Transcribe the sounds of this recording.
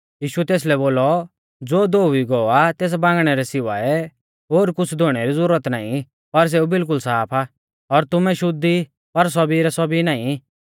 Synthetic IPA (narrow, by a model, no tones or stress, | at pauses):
jiːʃuɛt̪eːs̬lɛboːlɔ | d͡zoːd̪oːʋiɡɔat̪eːs̬bãːŋɡɽ̃ɛɾɛsɪʋaɛ | ɦoːɾkʊt͡sʰd̪ʱoɽ̃ɛɾizʊɾət̪naːĩ | pɐɾs̬eubɪlk̬ʊlsaːpʰa | ɔɾt̪ʊmɛʃʊd̪i | pɐɾs̬ɔbiɾɛsɔbinaːĩ